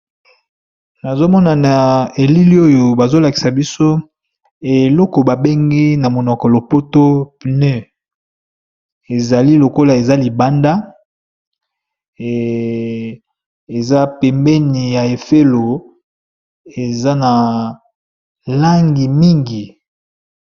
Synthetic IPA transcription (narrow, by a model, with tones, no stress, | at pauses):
na˨zo˦mɔ˦na˨na˨e˨li˦li˦o˦jo˨ba˨zo˦la˨ki̥˨sa˨bi˦so˦ | e˨lɔ˦kɔ˨ba˨be˦ŋɡi˦na˨mo˨nɔ˨kɔ˨lo˨po˦to˦˨ne˦ | e˨za˨li˦lo˨ko˦la˨e˨za˦li˨ba˦nda˦˨ | e˨za˦pɛ˨mbɛ˦ni˨ja˨e˨fe˦lo˨ | e˨za˦na˨ | la˦ŋɡi˨mi˦ŋɡi˨